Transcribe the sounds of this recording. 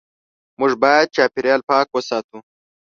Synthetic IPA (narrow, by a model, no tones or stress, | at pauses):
mʊʐbɑjad̪̚t͡ʃaːpiɾjɑːlpɑːkwəsɑːt̪u